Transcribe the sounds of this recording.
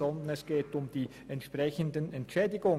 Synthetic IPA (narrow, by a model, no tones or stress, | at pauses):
ɔndən̩ɛsɡ̥eːtʊmd̥iː | ɛntʃpʁ̥ɛçəndənɛntʃɛːdɪɡʊŋ